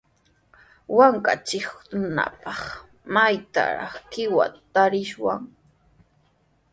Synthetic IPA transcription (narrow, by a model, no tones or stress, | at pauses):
waŋka̰t͡ʃɪkna̰pɑχ | majt̪a̰ɾɑ̰χkɪwa̰t̪aɾɪʃwaŋ